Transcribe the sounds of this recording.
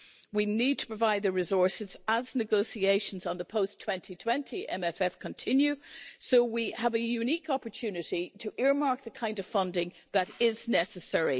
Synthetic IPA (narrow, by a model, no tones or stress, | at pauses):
winid̚tʰə̥pɹ̥əvaɪd̪̚ðəɹɨzɔɹsɨzəznɨɡoʊsieɪʃə̃n̩zn̩ðəpʰoʊstʰw̥ɛ̃ntʰitʰw̥ɛ̃ntʰiʔɛ̰̃mɛfɛfkʰə̃ntʰɪ̃njʉsoʊwiəvəjʉnikɑpə˞tʰʉnɨɾiɾʰəʔɪɹmaɹk̚ðəkʰãɪ̃ndʌv̥fʌ̃ndɪ̃ŋðəɾɪznɛsəsɛɹi